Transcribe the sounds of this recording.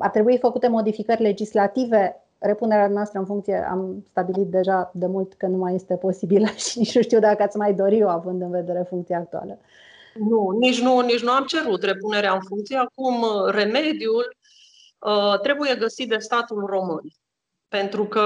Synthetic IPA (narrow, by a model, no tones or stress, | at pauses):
a̰rt̪ɾe̞buifəkut̪e̞mo̞d̪ifikərʲle̞d͡ʒislat̪ive̞ | re̞puneɾead̪umneast̪ɾəɨnfuŋkt̪sije̞̰ʔa̰mst̪abilit̪̚d̪e̞ʒad̪e̞mult̪kənumajːe̞st̪e̞po̞sibiləʃinit͡ʃnuʃt̪iwd̪akəat̪sʲmajd̪o̞ɾioavɨnd̪ɨnve̞d̪e̞ɾe̞fuŋkt̪sijaːk̚t̪ua̰lə | nunit͡ʃʲnunit͡ʃnuamt͡ʃe̞ɾut̪re̞pune̞ɾeaɨnfuŋk̚t̪sijeakumre̞me̞d̪iul | ət̪ɾe̞buje̞ɡəsit̪̚d̪e̞st̪at̪ulro̞mɨn | pe̞nt̪ɾukə